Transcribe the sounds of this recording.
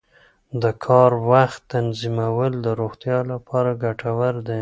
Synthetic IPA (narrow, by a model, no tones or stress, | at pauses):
d̪əkʰɑɾwaxt̪ːanzimawəld̪əɾoɣt̪jɑlapʰɑɾaɡaʈʰawəɾd̪e